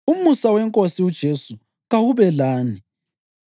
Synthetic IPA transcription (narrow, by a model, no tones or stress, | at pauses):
umusawɛŋkʼosiud̥ʒ̥ʱesu | ɣawuβɛlaːni